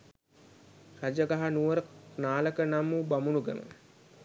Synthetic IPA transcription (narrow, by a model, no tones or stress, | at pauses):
sad͡ʒəɡaɦanuʋəɾənaːləkənamːubamunuɡḛmə̰